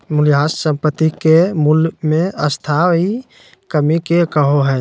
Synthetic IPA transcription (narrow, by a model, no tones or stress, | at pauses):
mʊljaːssə̃mpət̪ːikemulmẽəst̪ʰawi | kəmikekəɦoɦɛː